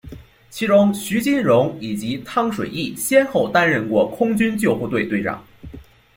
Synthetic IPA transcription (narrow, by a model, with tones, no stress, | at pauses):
t͡ɕʰi˧˥ʈ͡ʂʊ˥ŋɕy˧˥t͡ɕi˥nɻʊ˧˥ŋi˨˩t͡ɕi˧˥t̪ʰɑ˥˧˩ŋʂwe˨˩ɪi˥˩ɕjɛ˥nxo˥˩ʊt̪a˥nɻə˥˧nkwɔ˥˩kʰʊ˥ŋt͡ɕy˥nt͡ɕjo˥˧ʊxu˥˧t̪we˥˧ɪt̪we˥˧ɪʈ͡ʂɑ̰˥˩ŋ